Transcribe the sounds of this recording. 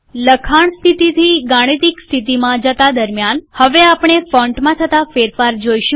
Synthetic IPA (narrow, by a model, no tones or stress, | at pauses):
ləkʰaɳ̃st̪ʰit̪it̪ʰiɡaɽ̃it̪ikst̪ʰit̪̬imãd͡ʒət̪ad̪əɾmjanhəʋeapɳ̃efɔ̃ɳʈmãt̪ʰət̪afeɾfaɾd͡ʒojʃũ